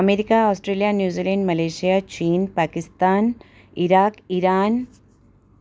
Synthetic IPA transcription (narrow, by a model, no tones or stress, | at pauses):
ɐmeːɾikaɔːsʈɾeːlijanjuːziːlẽɳɖmɐleːʃijat͡ʃiːnpaːkɪst̪aːn | ɪɾaːkɪɾaːn